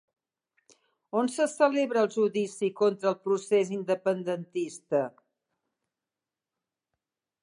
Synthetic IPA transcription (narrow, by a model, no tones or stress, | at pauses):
onsəsəleβɾəːlˠʒuðisikont̪ɾəːlˠpɾusezind̪əpənd̪ənt̪ist̪ə